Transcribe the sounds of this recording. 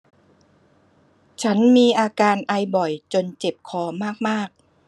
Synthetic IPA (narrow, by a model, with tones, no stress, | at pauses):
t͡ɕʰa˦˥nmiː˧ʔaː˧kaː˧nʔa˧jbɔ˨˩jt͡ɕo˧nt͡ɕe˨˩p̚kʰɔː˧maː˥˩k̚maː˥˩k̚